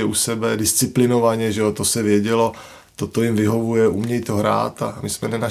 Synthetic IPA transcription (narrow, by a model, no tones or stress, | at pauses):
ɛʔusɛbɛdɪst͡sɪplɪno̞vaɲɛʒɛot̪o̞sɛvjɛɟɛlo̞ | t̪ot̪o̞jɪmvɪɦo̞vujɛʔumɲɛjt̪oɦɾa̰ːt̪amɪsmɛnɛna